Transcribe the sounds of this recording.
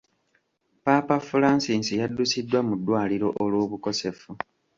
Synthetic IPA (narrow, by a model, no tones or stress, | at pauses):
paːpafulaːnsiːnsijadːusidːwamudːwaːliɾo̞ʔolwoːβuko̞se̞fu